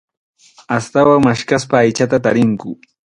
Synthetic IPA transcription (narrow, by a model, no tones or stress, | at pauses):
ast̪awaŋmaʃkaspaːjt͡ʃat̪at̪aɾɪŋkʊ